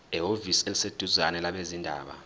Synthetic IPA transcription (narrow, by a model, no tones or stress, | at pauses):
ɛɦoviselised̥ʱuzanɛlaɓezindʱa̰ːɓa̰